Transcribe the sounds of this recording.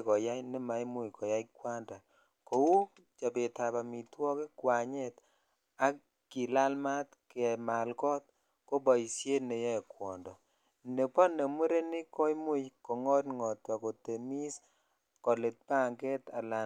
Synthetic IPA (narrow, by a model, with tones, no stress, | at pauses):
kɔ˨ja˦jnɛ˦ma˨jmu˦jkɔ˨ja˦jkwa˦nda˨ | ko˨wu˦ | t͡ʃa˨be˨ta˨ba˨mi˨twɔ˦ke˦kwa˨ɲɛ˦t | a˦ | ki˨la˦lma˦tke˨ma˨lkɔ˦t̚ | kɔ˦bɔ˨i˨sje˦ne˨jɔ˦ɛ˨kwɔ˨ndɔ˨ | ne˨pɔ˦ne˨mu˦ɾe˦nɪ˦kɔ˦i˦mu˦jkɔ˨ŋɔ˦tŋɔ˨twa˨ko˨te˨mi˦s | kɔ˨lɪ˨t̚pa˦˨ŋɡɛ˦ta̰˨la˨